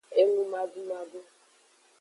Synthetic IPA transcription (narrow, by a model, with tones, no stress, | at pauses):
e˦ŋu˦ma˦dʊ˦ma˦dʊ˦